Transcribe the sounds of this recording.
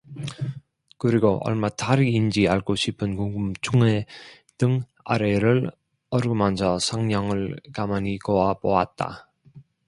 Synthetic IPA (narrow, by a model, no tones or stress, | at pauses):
kɯɾiɡoʔʌ̰ɭmataɾiːnd͡ʑiaɭkoɕʰipʰɯnkoŋɡumt͡ɕʰuŋe̞ | d̥ɯŋ | a̰ɾeɾɯɭ | ʌɾɯɡɯmand͡ʑʰʌsʰaŋɲʌŋɯɭkamaniɡoapoat̚t͈a̰